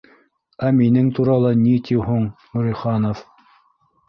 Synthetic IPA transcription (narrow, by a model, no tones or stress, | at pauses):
æminɘŋt̪uɾɑlˠɑnit̪iɦuɴnɵ̆ɾĭχɑnof